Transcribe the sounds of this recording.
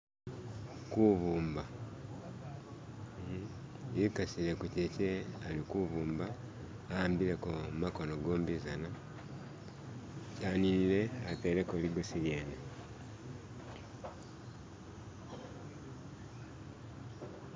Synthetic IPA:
kuβuːmba | ikasilekucecealikuβuːmbaː | aːmbilekomako̞noɡoːmbizana | caːninile̞ateɾekoliɡosiljeːne

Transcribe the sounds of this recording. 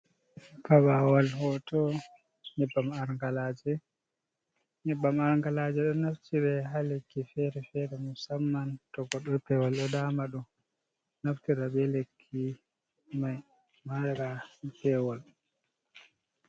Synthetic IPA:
paɓawalhɔtɔ | ɲɛbːamaɾŋɡalaːd͡ʒɛ | ɲɛbːamaɾŋɡalad͡ʒɛɗɔnaftiɾɛɦalekːifɛɾɛfɛɾɛmusamːantɔɡɔɗɔpɛwɔlɗɔdaːmaɗum | naftiɾaɓɛlekʰːi | maj | maɾapɛwɔl

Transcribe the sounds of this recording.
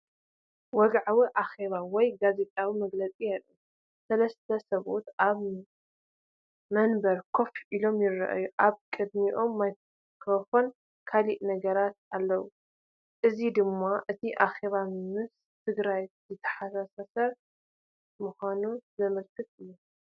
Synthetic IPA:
wɔɡʕawiʔaxe̞βawɔjɡaze̞t̪ʼawimɐɡlɐt͡sʼijalːu | sɐlɐst̪ʰɐsɐβo̞t̪ʔaβ | mɐnbɐɾkʰo̞fʔilo̞mjɪrːɐ̰ʔa̰juʔaβkʼɨd̪miʔo̞mːaj | kʰofon | kʰaliʔnɐɡɐɾat̪̚alːɐwu | ʔɨzid̪ɨmːaʔɨt̪ʰiʔaxe̞βamɨs | t̪ʰɨɡɾajzɨt̪ʰːɐ̥ħasasasɐɾ | muxʷanuzɐmɨlkʰɨt̪ɨjːu

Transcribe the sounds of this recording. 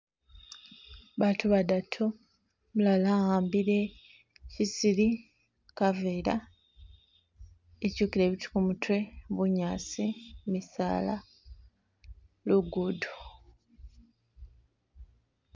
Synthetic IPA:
βatʰuβadatʰo | mulalaaːmbiɾe̞ | cisili | kaveːɾa | ecuːkiɾe̞ːβiti̥kumutʰwe̞βuɲaːsimisa̰ːla̰ | luɡudu

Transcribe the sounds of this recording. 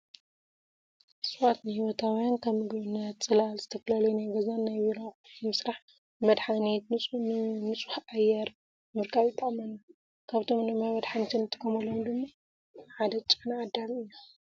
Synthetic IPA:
sʼɨβat̪nɨhiwot̪ʰawjankʰɐβmɨɡβɨnːɐt̪t͡sʼɨlalzɨt̪ʰɐkɐlɐlujnajɡɐzanːajβiɾoɨmɨsɾaħ | mɐd̪ħanit̪ʼ | nɨt͡sʼu̥ħʔajːɛɾ | mɨɾkʰaβjɪt̪ʼːɨqʼɐmɐnːɐ | kʰaβt̪ʰo̞mnɨmajmɐd̪ħanit̪ʰɨnɨt̪ʰʼːɨ̥kʰomɐlːomd̪ɨmːa | ʕad̪ɐt͡ʃʼɨnʕad̪ːamɨjːu

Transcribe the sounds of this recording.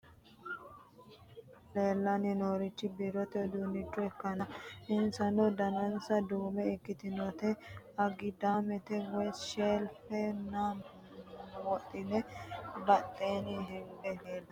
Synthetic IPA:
le̞ːlːɐnɪnoːɾɪt͡ʃːɪbiɾɔt̪ɛd̪uːnːɪt͡ʃːʊɛkːɐnɐɪnsɐnɔd̪ɐnɐnsɐd̪uːmɛɪkːɪt̪ɪnɔt̪ɛ | ɐɡɪd̪aːmɛt̪ɛwɛʃeːlfɛna | wɔt̪ʼːɪnɛbɐt̪ʼːeːniɦɪndɛleːlːɐ

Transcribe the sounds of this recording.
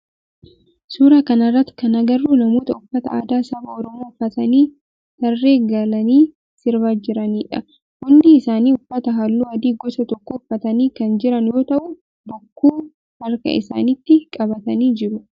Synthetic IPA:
suːɾaːkɐnɐrːɐt̪ːɪ̥kɐnɐɡɐrːuːnɐmoːt̪ɐʊfːɐt̪ɐa̰ːd̪aːsɐbɐɔɾɔmoːʊfːɐt̪ɐniː | t̪ɐrːe̞ːɡɐlɐniː | sɪɾbaːd͡ʒɪɾɐniːᶑɐ | hʊnːɪɪsaːniːʊfːɐt̪ɐɦɐlːuːɐd̪iːɡɔsɐt̪ɔkːɔʊfːɐt̪ɐniːkɐnd͡ʒɪɾɐnjo̞ːt̪ɐʔʊ | bɔkːuː | hɐɾkɐ̰ɪ̰sa̰ːnɪt̪ːɪkʼɐbɐt̪ɐniːd͡ʒɪɾʊ

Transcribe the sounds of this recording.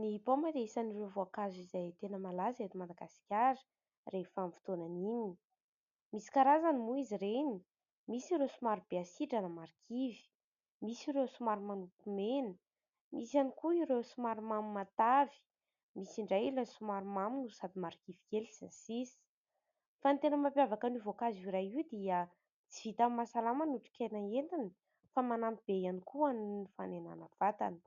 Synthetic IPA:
niɦipomad̪eisanirevoakazizajt̪enəmalazet̪umad̪aɡaskʲaɾə̥ | refamfi̥t̪onanini | misi̥kaɾazanimuiziɾeni | misiɾesumaɾub̥easiʈ͡ʂanəmaɾikʰivi̥ | misiɾesumaɾumanukumenə | misjanikuiɾesumaɾumamimat̪avi̥ | misiɳɖ͡ʐajlasumaɾumaminusad̪imaɾikivikeliza̰nsisi̥ | fant̪enəmapjavakanivokazuɾajid̪iə | t͡si̥vit̪ammasalamanuʈ͡ʂi̥kʲanaent̪ani | famanamib̥ejanikuaninifanena̰nav̥at̪a̰nə̥

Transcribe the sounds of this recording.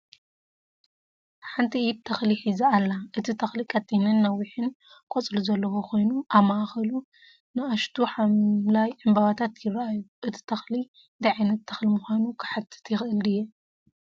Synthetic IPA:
ħant̪ʰiib̚t̪ʰɐxliħizaalːaʔɨt̪ʰit̪ʰɐxlikʼat̪ʼːinɐnːɐwiħɨn | kʼot͡sʼluzɐlːɐwokʰo̞jnuʔaβmaʔxɐlu | nɨaʃt̪ʰuħamlajɨmbaβat̪ʰat̪jɪrːaajuʔɨt̪ʰi̥t̪ʰɐxli | d̪ɐʕajnɐt̪ʰːɐxlimuxʷanukʰɨ̥ħat̪ʰɨ̥t̪jɪxʔɨlɨjːɛ

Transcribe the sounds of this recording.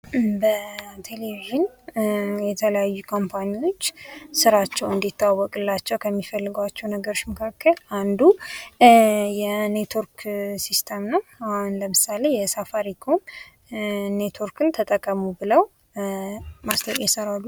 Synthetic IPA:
bət̪ʰe̞leviʒɨn | jɛt̪ʰələjajːukʰo̞mpʰanio̞t͡ʃːsɨɾat͡ʃːɛwɨnd̪it̪ːawːɔkʼɨlːat͡ʃːɛwkʰəmːifəlːɨɡwat͡ʃːɛwnəɡəɾoʃməkʰakʰːəland̪u | jɛnet̪ʰwoɾksist̪ʰəmnəwahunləmɨsale̞jɛsafaɾikʰom | net̪ʰoɾkɨnt̪ʰət̪ʼəkʼːəmubɨləw | mast̪ʰəkʼjɛsəɾalːu

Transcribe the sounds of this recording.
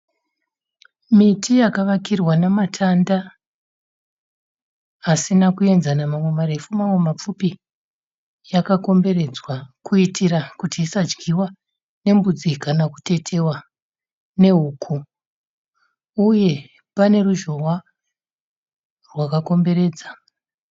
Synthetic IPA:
mitʰijakaʋakirwanamatʰanda | sinakue̞nzanamamwe̞maɾe̞fumamwe̞map͡fupi | jakako̞mbe̞ɾe̞d͡zwakuitʰiɾakutiːsad͡ʒɡiwa | ne̞mbud͡zikanaku̥te̞tʰe̞wa | ne̞ɦuːkʰu | uje̞ | pane̞ruʒo̞wa | rwakako̞mbe̞ɾe̞ːd͡za

